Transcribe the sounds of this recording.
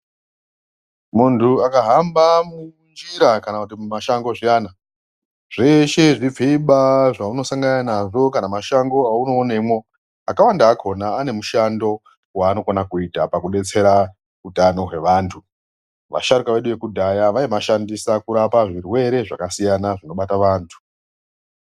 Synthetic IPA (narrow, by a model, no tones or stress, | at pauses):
muntʰuakaɦambamund͡ʒiɾakanakutimaʃaŋɡo̞ʐijana | ʐ̥e̞ʃe̞ʐib͡viɓaʐauno̞saŋɡananaʐo̞kanamaʃaŋɡo̞auno̞ːneimwo̞ | akawandaːkʰo̞naːne̞muʃando̞ | waːno̞konakuitapakuɗe̞t͡se̞ɾa | utano̞ɦwe̞ʋaːntʰu | ʋa̰ʃaɾikaʋe̞ɗuʋe̞kudʱajaʋaimaʃandisakuɾapaʐirwe̞ɾe̞ʐakasijanaʐino̞ɓataʋaːntʰu̥